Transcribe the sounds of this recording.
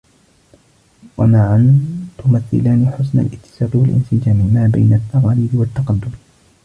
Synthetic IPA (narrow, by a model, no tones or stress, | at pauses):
wa̰maʕant̪ʊmaθːɪ̰laːniħʊsna̰lʔɪt̪ːɪ̥saːqɪwalʔɪ̰nsɪd͡ʒaːmɪmaːbajnat̪ːɑqɑːliːd̪ɪwat̪ːɑqɑd̪ːʊm